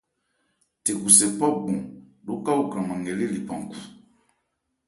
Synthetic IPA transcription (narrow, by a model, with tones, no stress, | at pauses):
te˨ku˨sɛ˨pɔ˦p̚ɡũ˨ɗu˦ka˦u˦˨kɾã˨mã˨ŋɡɛ˨li˦li˨pã˨ŋ˨ku˨